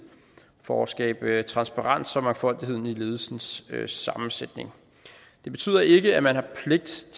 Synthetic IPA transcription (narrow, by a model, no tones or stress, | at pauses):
fɒɒsɡ̥ɛ̰ːb̥t͡sʰʁɑ̈nsb̥ɑ̈ʁɑ̈n̰sɒ̽mɑ̈ŋfɒ̽l̰d̥ihe̝ð̰ˠn̩ile̝ːð̞̩ˠsn̩sːɑ̈mn̩sed̥ne̝ŋ | d̥e̝b̥e̝t͡sʰy̰ːð̰ˠɐʔe̝ɡ̥əæmænhɑ̈pʰle̝ɡ̥̚d̥t͡sʰ